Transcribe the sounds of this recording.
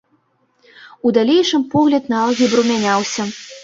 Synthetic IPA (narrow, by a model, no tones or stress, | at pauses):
ud̪alʲejʂɨmpɔɣlʲɐd̪naalˠɣʲibɾumʲanʲawsʲɐ